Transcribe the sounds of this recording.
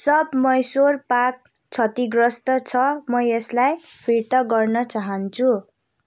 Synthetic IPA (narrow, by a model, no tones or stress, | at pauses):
sʌbmʌjsorpak̚ | t͡sʰʌt̪iɡrʌst̪ʌt͡sʰʌmʌeslajpʰiɾt̪ʌɡʌrnʌt͡saɦʌnt͡sʰu